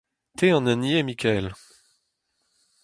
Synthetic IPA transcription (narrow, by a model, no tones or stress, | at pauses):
t̪ʰeɑ̃nɛnjemikʰʲɛl